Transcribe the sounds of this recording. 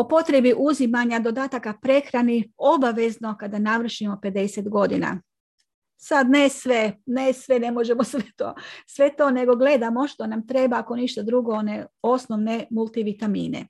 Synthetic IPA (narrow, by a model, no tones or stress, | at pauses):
o̞po̞t̪ɾe̞biʔuzimaɲad̪o̞d̪aːt̪akapɾe̞xɾanio̞baʋe̞znokad̪anaʋr̩ʃimo̞pe̞d̪e̞set̪ɡo̞d̪ina̰ | sad̪nesʋenesʋenemo̞ʒe̞mosʋet̪oːsʋe̞t̪o̞ːne̞ɡo̞ɡle̞d̪amo̞ʃt̪o̞namt̪ɾe̞baːko̞niʃt̪ad̪ɾuɡo̞oneo̞snoʋne̞mulˠt̪iʋit̪amiːnḛ